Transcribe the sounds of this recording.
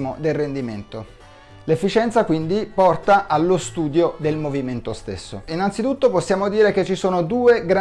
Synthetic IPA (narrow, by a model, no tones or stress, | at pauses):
mod̪elrend̪iment̪o | lefːit͡ʃɛnt̪sakwind̪ipɔrt̪aʔalːost̪uːd̪jod̪elmoviment̪ost̪esːo̰inant̪sit̪ut̪ːoposːjaːmod̪iːɾeket͡ʃːisoːnod̪uːeɡɾa